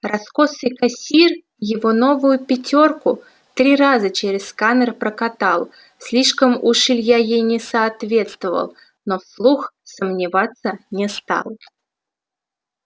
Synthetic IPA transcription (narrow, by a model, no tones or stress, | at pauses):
rɐskosɨjkasʲir | jɪvo̞no̞vʊjʊpʲɪtʲo̞rkʊ | t̪ɾʲirazət͡ɕeɾʲɪskanərpɾəkat̪alˠ | sʲlʲiʂkəmʊʂɨlʲjajejnʲɪsɐːt̪vʲe̞t̪st̪vəvə̰lˠ | nofslˠuxsəmnʲɪvat̪sːənʲɪst̪a̰lˠ